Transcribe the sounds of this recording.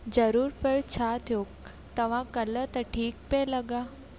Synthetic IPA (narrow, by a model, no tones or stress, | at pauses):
d͡zəɾuːɾpəɭt͡ɕʰat̪ʰjok̚ | t̪əʋ̤ãkələt̪əʈʰiːk̚peləɡa